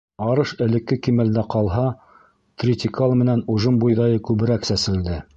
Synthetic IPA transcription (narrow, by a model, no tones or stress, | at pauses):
ɑɾɤʃɘ̆lɘ̆kːɘkimæld̪æqɑlˠɦɑ | t̪rʲɪt̪ʲɪkalˠmɘ̆nænuʒɤmbujðɑjɤkʉβɘ̆ɾæksæsɘ̆ɾɘ̆ld̪ɘ